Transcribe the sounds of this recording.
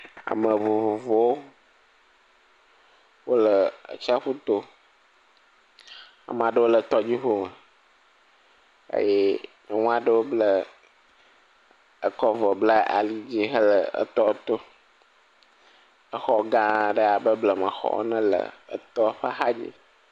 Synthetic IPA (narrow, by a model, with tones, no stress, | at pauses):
a̰˨mə̃˨vo˨vo˨vo˨wo˦ | wo˦lə˨t͡ʃa˦ɸu˦t̪o˦ | a̰˨m˨a˨ɖə˦wo˦lə˨t̪ɔ˦d͡ʑi˦ɦo˦mə˨ | ḛ˦je˦nə˨ŋũ˦a˨ɖə˦wo˦blə˨ | ə˨kɔ˦vɔ˨blə˦a̰˨li˦d͡ʑi˦ɦə˦lə˨ə̰˦˨t̪ɔ˦t̪o˦ | ə˦xɔ˨ɡã˦ɖə˦a˨bə˦blə˨mə̃˨xɔ̰˦wo̰˦nɛ̃˦lə̰˨ə̰˨t̪ɔ˦ɸa˦xa˦d͡ʒḭ˦